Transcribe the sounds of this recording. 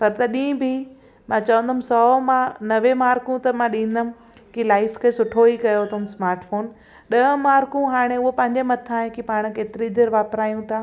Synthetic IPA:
pɐɾt̪ɐɗĩːbʱi | mãːt͡ɕɐʋə̃nd̪əmsɔːmãnɐʋẽmaːɾkũt̪ɐmãɗĩːn̆d̪əmɪ̃̆ | kilaːɪfkʰeːsʊʈʰoikɐjot̪ʰʊɦmsmaːɾʈfoːn | ɗɐɦə̃maːɾkũɦaːɽ̃eʊɦopɐ̃ɦɪ̃ɲd͡ʑemɐt̪ʰaːẽkipaːɽ̃̆keːt̪ɪɾid̪eːɾʋaːpɾaːjũt̪ʰaː

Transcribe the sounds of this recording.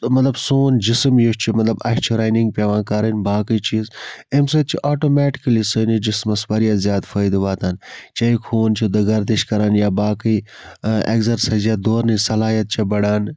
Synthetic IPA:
mɐt̪lɐbsoːnd͡ʒismjoʃt͡ʃʰimɐt̪lɐbɐʃt͡ʃʰiɾaːjniŋɡ̚peʋãːkaɾɐnbaːkəjt͡ʃiːzemsɐt̪̚t͡ʃʰiʔaːʈoːmɛːʈi̥kɐlisɐnid͡ʒismɐsbɐɾjaːzjaːt̪fɐjd̪ʋaːt̪ant͡ʃɐikʰoːnt͡ʃʰid̪ɐɡɐɾt̪iʃkɐɾaːnjaːbaːkəi | ḛɡzɐɾsɐzad̪oːɾnisɐlaːjɐt̪̚t͡ʃʰɐbɐɽaːn

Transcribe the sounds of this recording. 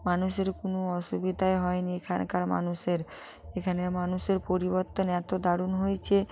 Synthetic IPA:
manuʃeɾkonoɔʃubid̪ʱaeɦɔeniekʰankaɾma̰nuʃeɾ | ekʰanemanuʃeɾpoɾiboɾt̪onɛt̪od̪aɽunɦojt͡ɕʰe

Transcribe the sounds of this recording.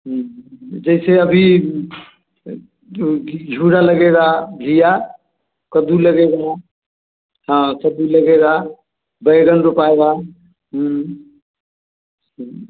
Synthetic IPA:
ɦ | d͡ʒəɪseəbʱi | d͡ʒʱuɾaləɡeɡaɡʱija | kəd̪uləɡeɡa | ɦãsəd̪uləɡeɡa | bəjɡənɾupaeɡa | ɦ

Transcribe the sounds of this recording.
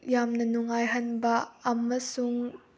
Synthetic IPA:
jamnɐnuŋajɦɐnbɐɐmɐsuŋ

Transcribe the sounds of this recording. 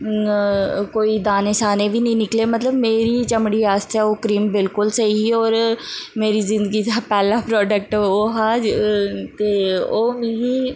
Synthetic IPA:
koːiːd̪aːneːsaːneːʋiːnəĩːnɪkleːmət̪ləbmeːɾiːt͡ʃəmɽiːaːst̪ɛːoːkɾiːmbɪlkʊlsəiːoːɾmeːɾiːzɪ̃nd̪əɡiːd̪aːpɛːlãːpɾɔːɖək̚ʈːoːɦaːd͡ʒt̪eːoːmɪ̃ɡiː

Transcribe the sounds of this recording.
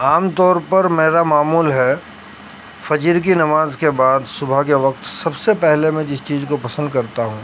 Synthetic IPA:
aːmt̪ɔːɾpɐɾmeːɾamaːmuːlɦɛː | fɐd͡ʒiɾk̬inɐmaːzkebaːd̪sʊbʱakeʋɐqt̪sɐbsepɛɦlemẽd͡ʒɪst͡ʃiːzkopɐsə̃nd̪kɐɾt̪aɦũː

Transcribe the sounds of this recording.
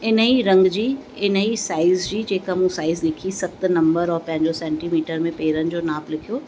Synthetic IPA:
ɪniɾɐ̃ŋɡd͡ʑiː | ɪnəɦisaːɪzd͡ʑiːd͡ʑeːkamũsaːɪzlɪkʰisɐxt̪nɐ̃mbəɾɔːɾpɐ̃ɦɪ̃ɲd͡ʑosɛ̃ːɳʈiːmiːʈəɾmẽpeːɾənɪ̆d͡ʑoːnaːplɪkʰijoː

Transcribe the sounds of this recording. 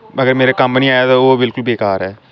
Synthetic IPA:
əɡəɾmeːɾaːkəmpniːaːjaːt̪aːoːbɪlkʊlbeːkaːɾɛː

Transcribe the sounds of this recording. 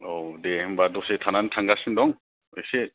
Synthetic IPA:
odehɯmbadɔsetʰanantʰaŋɡasɯndɔŋ | ese

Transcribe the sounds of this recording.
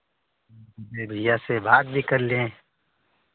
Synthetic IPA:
bebʱijasebaːt̪̚bʱikɐɾle

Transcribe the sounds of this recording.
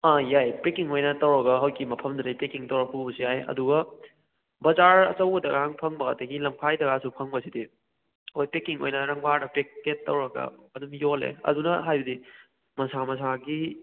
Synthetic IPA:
ajajpɾekiŋojnɐtɐwɾɐɡɐɦɐwkimɐpʰɐmduɾɐjpekiŋtɐwɾɐpubɐsiajɐ̰duɡɐ | bɐzaɾɐ̰t͡ʃɐwɡɐdɐɡaaŋpʰɐŋbɐatɐɡilɐmpʰajdɐɡasupʰɐŋbɐsidi | hojpekiŋo̰jnɐɾɐŋbaɾdɐpekːetːɐwɾɐɡɐ̰ɐdumjolḛɐ̰dunɐɦajbɐdi | mɐsamɐsaɡi

